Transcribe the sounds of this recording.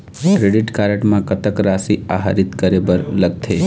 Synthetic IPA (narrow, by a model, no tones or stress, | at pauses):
kɾeɖɪʈkaɾəʈmãkət̪əkɾasia̰ɦa̰ɾɪt̪kəɾebəɾləɡ̚t̪ʰe